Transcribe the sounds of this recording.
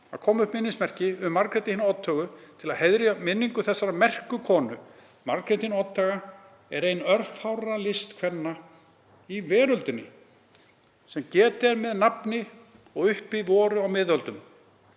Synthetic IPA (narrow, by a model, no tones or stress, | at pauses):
a̰kʰɔːmʏhpmɪnːɪnsmɛr̥cɪʏmːaɾkɾɪt̪iinaɔt̪ʰːœːɣʏt̪ʰɪlaðheðɾjamɪnːiŋkʏθɛsːaɾamɛr̥kʏkʰɔːnʏ | maɾkɾɪt̪inɔt̪ʰːaɣa | ɛɾejnœɾfhawɾalɪst̪kʰvɛnːa | ivɛːɾœlt̪ʏnːɪ̰ | sɛmcɛːt̪ɛɾmɛðnapnɪ | ɔɣʏhpivɔːɾʏawmɪðœlt̪ʏm